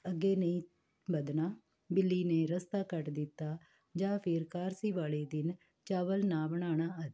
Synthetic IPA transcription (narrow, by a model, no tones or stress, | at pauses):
əɡːeːnəĩː | bəd̪ɳaː | bɪlːiːneːɾəst̪aːkəʈd̪ɪt̪ːaː | d͡ʒãːpʰɪɾkaːɾsiːʋaːleːd̪ɪn | t͡ʃaːʋəlnaːbəɽ̃aːɽ̃aːət̪ː